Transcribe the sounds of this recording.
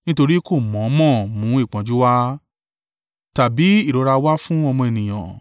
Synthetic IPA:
nĩ˦to˧ɾi˦ko˦˨mɔ̃˨˦mɔ̃˦˨mũ˨˦i˦˨k͡pã˨˦d͡ʒu˦wa˦ | ta˨bi˨˦i˦˨ɾo˨˧ɾa˧wa˦fũ˦ɔ˧mɔ̃˧e˨nĩ˨j̃ã˨

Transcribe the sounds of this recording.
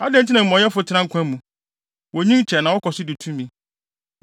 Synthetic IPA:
a˦dɛ̃˦n˨tʰɪ˦nã˨m̩˨ɔ̃˨ɲɛ˦fʊ˨tʰɪ˦ã˦ŋ̩˦kʷʰã˦mũ˨ | wɔ˨ɲĩ˦n˦t͡ɕʰɛ˨nã˨wɔ˦kʰɔ˨sɪ˦dɪ˨tʰũ˦mĩ˦

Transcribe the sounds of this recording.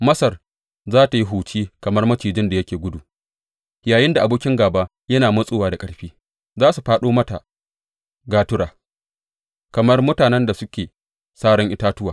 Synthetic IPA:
mɐ˦sɐ˨r | zaː˦ta˨ji˦ɦuː˨t͡ʃiː˦kɐ˨mɐ˦rmɐ˦t͡ʃiː˨d͡ʒɪ˦nda˨jɐ˦kʲeː˨ɡʷʊ˦duː˨ | jaː˨jɪ˦nda˨ʔa˨boː˦kʲɪ˦ŋɡaː˨baː˦ | jɐ˦naː˨mɐ˦sʼoː˦waː˨da˨kʼɐ˦ɽɸiː˦ | zaː˦su˨ɸaː˦ɗoː˦mɐ˦ta̰˨ | ɡaː˦tʊ˦ɽaː˨ | kɐ˨mɐ˦rmʊ˦taː˨nɛ˦nda˨sʊ˦kʲeː˨ | saː˦ɽɔ˦ŋʔɪ˦taː˦tʊ˦waː˨

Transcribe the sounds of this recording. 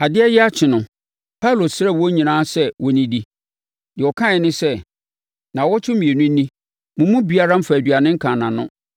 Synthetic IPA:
a˨dɪ˦ɛ˦jɛ˦a˦t͡ɕʰɪ˨nʊ̃˨ | pʰa˦lo˨sɾɛ˦˨wɔ˦ɲĩ˨nãː˦sɛ˦wɔ˨nĩ˦di˦ | dɪ˨ɔ˨kʰã˦ɪ˨nɪ̃˦sɛ˦˨ | nã˨wɔ˦t͡ɕʰɪ˦mĩ˨e˨nʊ̃˦n˦nĩ˦ | mʊ̃˨mũ˦bi˨a˦ɾa˦m̩˦fa˨æ˨dɥa˨nɪ̃˦ŋ̩˦kʰã˨nã˨nʊ̃˦

